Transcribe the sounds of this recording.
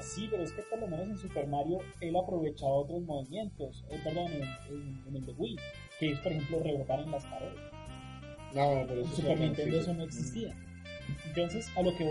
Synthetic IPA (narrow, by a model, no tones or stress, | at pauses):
sipeɾoeskepo̞ɾlo̞me̞no̞s̬ens̬upe̞ɾmaɾjo̞ | e̞lapɾo̞βe̞t͡ʃaβaot̪ɾo̞zmo̞βimje̞nt̪o̞sepeɾd̪oneneeneld̪eɣwi | keis̬o̥poɾexe̞mplore̞ɣot̪aɾenlaskaɾela | nopeɾesupeɾmãnt̪ed̪eesono̞eksist̪ia | ent̪o̞ns̬e̞salo̞ke